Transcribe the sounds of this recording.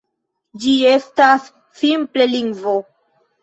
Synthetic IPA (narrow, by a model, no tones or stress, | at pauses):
d͡ʒie̞stasː | imple̞liŋɡvo